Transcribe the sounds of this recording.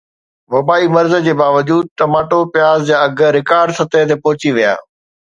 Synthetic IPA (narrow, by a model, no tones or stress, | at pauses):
ʋɐbaːimɐɾzə̆d͡ʑeːbaːʋəd͡ʑuːd̪̚ʈ̪ɐmaːʈopɪjaːzd͡ʑaːɐɡɾɪkaːɾɖsɐt̪ət̪epɔːʊt͡ɕiʋija̰ː